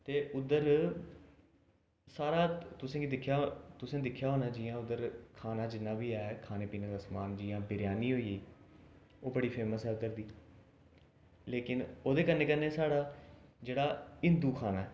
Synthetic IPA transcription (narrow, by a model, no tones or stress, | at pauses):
t̪eːʊd̪əɾ | saːɾaːt̪ʊsẽːɡid̪ɪkʰːjaːt̪ʊsẽːd̪ɪkʰːjaːɦoːnaːd͡ʒɪːãːʊd̪əɾkʰaːnaːd͡ʒɪnːãːbiːɛːkʰaːneːpiːnãːd̪aːsmaːnd͡ʒɪjãːbɪɾɪjaːniːɦoːiːeiː | oːbəɽiːpʰeːməsɛːʊd̪əɾd̪iː | leːkɪnoːd̪eːkənːeːkənːeːsaːɽaːd͡ʒeːɽaːɪ̃nd̪uːkʰaːnaː